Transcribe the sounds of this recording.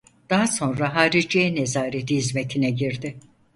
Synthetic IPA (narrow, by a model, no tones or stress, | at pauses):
d̪̥aɦaso̞nɾaɦaːɾiɾd͡ʒeɛnezaːɾed̪iːzme̞t̪ʰinɛɟiɾd̪ɪ